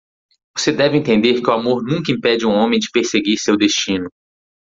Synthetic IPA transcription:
vosed̪ɛvɪẽnt̪ẽnd̪eɾkɪʊamoɾnũkɐĩpɛd͡ʒɪũõmẽj̃d͡ʒɪpeɾseɡiɾsewd̪est͡ʃĩnʊ

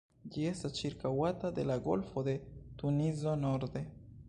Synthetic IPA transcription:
d͡ʒie̞stast͡ʃiɾkawat̪ad̪e̞laɡo̞̰lfod̪et̪unizonoɾd̪e̞

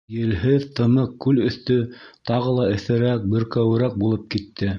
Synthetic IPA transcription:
jɘ̆lɦɘðt̪ɤ̆nɤqkːʉlɵ̆θt̪ɵt̪ɑʁɤ̆lˠɑɘ̆θɘ̆ɾæk̚bɘ̆ɾkæwɘ̆ɾæk̚bulˠɤp̚kit̪ːɘ

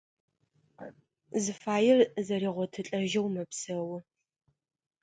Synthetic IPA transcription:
zɨfaːjɪrzɐriːʁʷɔtʰɨɬʼɐʒɐwmɐpsɐwʊ

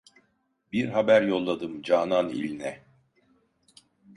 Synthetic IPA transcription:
biɾɦabæɾjo̞lˠːad̪ɯmd͡ʒaːnanḭlʲnɛ

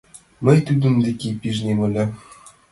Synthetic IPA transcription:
mɘ̆jt̪yd̪ʲɘ̆md̪ʲekʲepʲiʐnʲemɘ̆lʲɘ̆

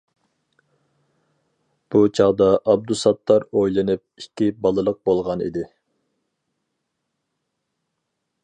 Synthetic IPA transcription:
b̥ut͡ʃʰɑʁd̪ɑʔɑb̚d̪usɑt̪ʰːɑɾojlˠɨnɨp̚ikʲʰːibɑlˠɨlˠəq̚bolˠʁɑnḭd̪ɪ

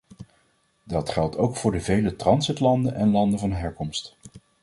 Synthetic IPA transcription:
dɑtχɛlˠtʰowkfʊːɹdəvejlətrɑnzɪtlɑndənʔɛnlɑndənvɑnɦɛɹkɔmst

